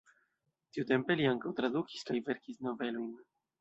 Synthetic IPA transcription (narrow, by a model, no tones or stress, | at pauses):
tiute̞mpe̞liaŋkawt̪ɾad̪uki̥skajveɾkisno̞ve̞lojn